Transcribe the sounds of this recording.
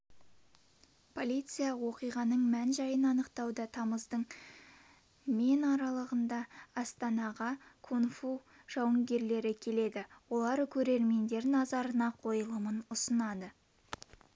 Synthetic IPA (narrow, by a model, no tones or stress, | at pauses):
pʰo̞lʲijt̪sɨjɑwo̞qijʁɑnəɴmænʒɑjənɑnəqt̪ɑwd̪ət̪ʰɑməzd̪əɴ | me̞nɑɾɑlˠəʁənd̪ɑɑst̪ɑnɑʁɑkʰonfu | ʒ̥ɑwəŋɡʲe̞ɾle̞ɾɪkʲʰe̞le̞d̪ɪwo̞lˠɑɾkʲʰɵɾe̞ɾme̞nd̪e̞ɾnɑzɑɾənɑqʰo̞jəlˠəmənʊsənɑd̪ə